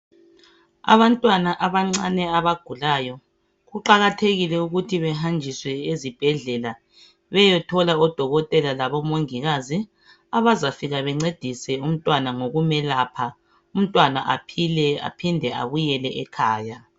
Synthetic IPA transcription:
a̰βantʼwanaʔaβaŋ͡ǀanɛaβaɡ̥ʱulajɔ | ɣuǃaɣatʰeɣilɛuɣutʰiβɛɦand͡ʒʱiswɛezib̥ʱɛɮɛla | βɛjɛtʰɔlaɔd̥ʱɔɣɔtʼɛlalaβɔmoŋiɣazi | aβazafiɣaβɛŋ͡ǀed̥ʱisɛum̩tʼwanaŋoɣumɛlaːpʰa | um̩tʼwana̰ʔapʰilɛa̰pʰindʱɛa̰βujɛlɛʔɛkʰaːja

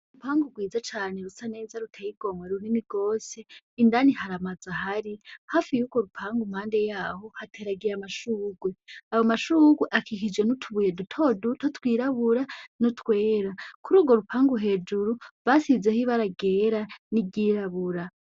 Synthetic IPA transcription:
upʰaːŋɡuɡwiːd͡zat͡ʃaːne̞ɾusane̞ːzaɾutʰejiɡo̞mweɾuniniɡo̞ːse̞ː | ndanihaɾamaz̥ahaɾihaːfijuːɡ̥wo̞ɾupʰaːŋɡum̥haːnde̞jaːho̞hatʰeːɾaɡiɾamaʃuːɡweawomaʃuːɡweʔakʰikid͡ʒɡenutʰuβuje̞dutʰo̞dutʰotwiːɾaβuɾanutʰwe̞ːɾakuɾuːɡwo̞ɾupʰaːŋɡuɦe̞ːd͡ʒuɾuβasize̞hiβaɾaɡe̞ːɾanibɟiːɾaβuɾa

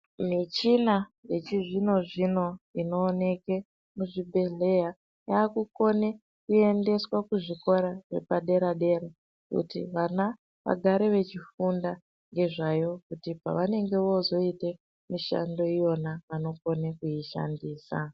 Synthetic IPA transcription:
mit͡ʃinaje̞t͡ʃiʐino̞ʐino̞ino̞ːne̞ke̞ | muʐibʱe̞ɮe̞ja | jaːkuko̞ne̞ | kue̞nde̞swakuʐiko̞ɾaʐe̞̰paɗe̞ɾaɗe̞ɾa | kṵtḭʋana | ʋa̰ɡʱaɾe̞ʋe̞t͡ʃifunda | ŋɡe̞ʐajo̞kutipa̰ʋane̞ŋɡe̞ʋo̞zo̞ite | miʃa̰ndo̞ijo̞naʋano̞ko̞nekujiʃa̰ndiːsa̰

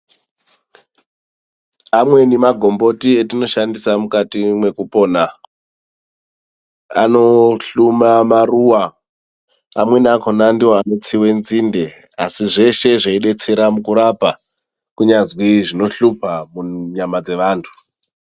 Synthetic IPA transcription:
amwe̞nimaɡʱo̞mbo̞tietino̞ʃandisamukatimwe̞kupo̞ːna | a̰no̞ɬumamaruwa | mwe̞nako̞nandiwoano̞t͡siwe̞nzinde̞ | a̰siʐe̞ʃe̞ʐaiɗe̞t͡se̞ɾamukuɾapa | kuɲazwiʐino̞ɬupamuɲamad͡ze̞ʋaːntʰu̥

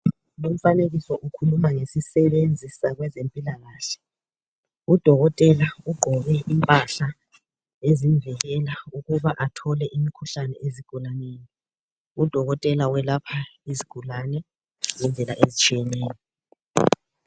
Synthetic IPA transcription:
lom̩faneɣisɔʔukʰulumaŋesisɛβend͡zʱisaɣwɛzempʼilaɣaːɬɛ̥ | ud̥ʱɔɣɔtʼɛlauɡ͡ǃʱɔβɛʔimpʼaɬa | eziɱvɛɣɛlauɣuβaʔatʰɔlɛʔimikʰuɬanɛʔeziɡ̥ʱulaneːli | ud̥ʱɔɣɔtʼɛlawɛlapʰaiziɡ̥ʱulanɛ | ŋɛnd͡ɮʱɛlaʔezit͡ʃʼijɛnɛːjɔ

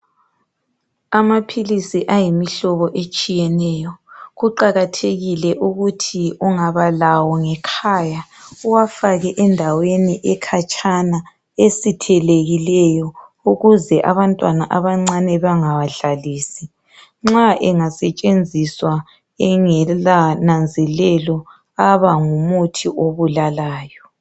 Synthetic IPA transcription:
amapʰilisiʔajimiɬɔβɔʔet͡ʃʼijɛnɛːjɔɣuǃaɣatʰeɣilɛʔuɣutʰiuŋaβalawɔŋɛkʰaːjauwafaɣɛʔɛndʱaweniʔɛkʰat͡ʃʼʰana | esitʰɛleɣilɛjɔuɣuzɛʔaβantʼwanaʔaβaŋ͡ǀanɛβaŋawaɮaliːsi | ŋ͡ǁaʔɛŋasɛt͡ʃʼend͡zʱiswa | ɛŋɛlanand͡zʱɛlɛlɔ | aβaŋumutʰiʔoβulalaːjɔ

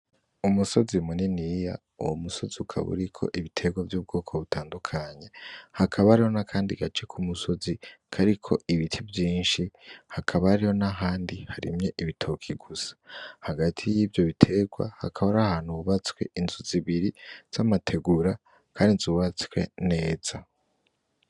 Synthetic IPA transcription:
umuso̞zimuninija̰ | ṵwomuso̞ziukʰa̰βṵɾikʰo̞̰ʔiβitʰe̞ɡwavjuːb̚ɡo̞ːkʰo̞βutʰaːndukʰaɲe̞hakʰaβaɾijo̞nakʰaːndiɡat͡ʃekʰumuso̞zikʰaɾikʰo̞̰iβitʰivjiːnʃihakʰaβaɾijo̞naɦaːndihaɾḭmɲe̞ʔiβitʰo̞kʰiɡusḁhaɡatʰijiːvjo̞βitʰe̞ɡwa̰hakʰaβaɾahaːnhuuβat͡skwe̞inzuziβiɾiz̥amatʰe̞ɡuɾa | kʰaːndizuːβat͡swe̞̰ne̞ːz̥a

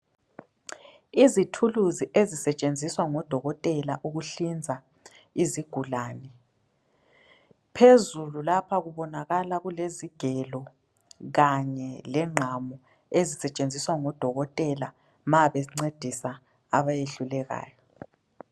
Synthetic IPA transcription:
izitʰuluziʔezisɛt͡ʃʼend͡zʱiswaŋɔd̥ʱɔɣɔtʼɛlaʔuɣuɬind͡zʱa | iziɡ̥ʱulaːnɛ | pʰezululapʰaɣuβɔnaɣalaɣuleziɡ̥ʱɛlɔ | ɣaɲɛlɛŋ͡ǁʱamɔ | ezisɛt͡ʃʼend͡zʱiswaŋɔd̥ʱɔɣɔtʼɛla | maβɛŋ͡ǀed̥ʱisaː | βajeɬulɛɣa̰ːjɔ

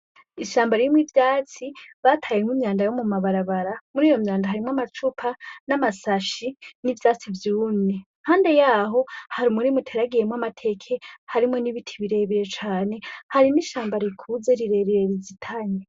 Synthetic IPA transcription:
iʃaːmbaɾiimwivjaːt͡siβatʰajemŋwimɲaːndajomumaβaɾaβaɾamuɾiːjo̞mɲaːndaɦaɾimwamat͡ʃupʰanamasaʃinivjaːt͡sivjuːne | haːnde̞jaːɦo̞haɾimuɾimutʰeɾaɡije̞mwamatʰe̞kʰe̞haɾimŋo̞niβitʰiβiɾe̞βiɾe̞t͡ʃaːne̞haɾiniʃaːmbaɾikʰuze̞ɾiɾe̞ɾiɾe̞ɾizitʰaɲe

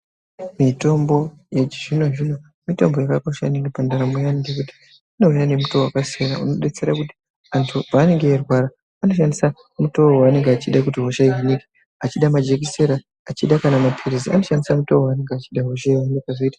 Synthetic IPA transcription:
mito̞mbo̞ | jet͡ʃiʐino̞ʐino̞ | mito̞mbo̞jakako̞ʃaneŋɡepandaɾamujaniɡekuti̥ | inoujanemutowakasiaɾauno̞ɗet͡se̞ɾakuti̥ | antʰupaːne̞ŋɡeerwaɾa | ano̞ʃandisa | muto̞waːne̞ŋɡeat͡ʃiɗak̬utiɦo̞ʃaiwanikḁ | at͡ʃiɗamad͡ʒe̞k̬ise̞ɾaː | t͡ʃiɗakanamapʰiɾizia̰noʃandisamutoaːne̞ŋɡeːt͡ʃiɗaɦo̞ʃaiwanikaʐoitḁ

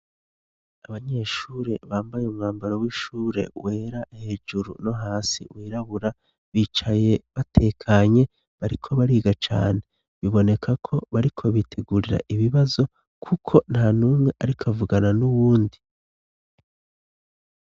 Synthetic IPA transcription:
aβaɲe̞ʃuːɾe̞βaːmbajeumŋaːmbaɾowiːʃuːɾe̞̰we̞ːɾahe̞ːʒuɾṵno̞ɦaːsḭwiːɾaβuɾa | βiːt͡ʃaje̞βatʰe̞ːkʰaɲe̞ | βaɾikʰo̞βaɾiːɡat͡ʃa̰ːne̞ | βiβo̞ne̞kʰakʰo̞βaɾikʰo̞βitʰe̞ɡuːɾiɾa̰ʔiβiβazo̞ | kʰukʰo̞n̥haːnuːmŋe̞ʔaɾikʰavuɡananuβuːndi

